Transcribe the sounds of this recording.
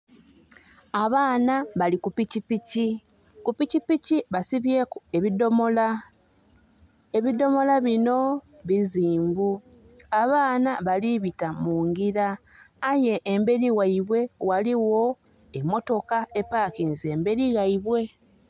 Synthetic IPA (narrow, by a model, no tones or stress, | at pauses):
aβaːnaβalikupicipici | kupicipiciβasiβje̞kue̞βido̞mola | e̞βido̞mo̞laβino̞ | βiziːmbu | aβaːnaβaliβitamuːŋɡiɾaːje̞ʔːmbe̞ɾiwaiβwe̞waliwo̞ | e̞mːo̞to̞kae̞paːkinze̞ːmbe̞ɾiɣaiβwe̞